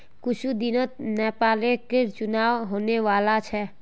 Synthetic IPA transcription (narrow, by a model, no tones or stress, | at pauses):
kʊʃud̪ɪnət̪̚nɛːpaːleket͡ʃʊnaːʋɦoːneʋaːlat͡ʃʰɛ